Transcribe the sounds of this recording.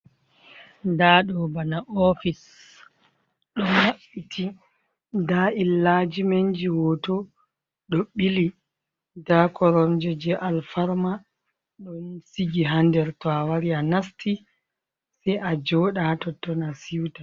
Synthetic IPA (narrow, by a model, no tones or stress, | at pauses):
daɗɔbanaʔɔfis | ɗɔnwaɓitʰi | dailːad͡ʒimeɲd͡ʒiwɔtɔ | ɗɔɓili | dakɔɾɔmd͡ʒɛd͡ʒɛʔalfaɾma | ɗɔnsiɡiɦandɛɾtɔawaɾianasti | sɛʔad͡ʒɔɗatɔtːɔnasiwta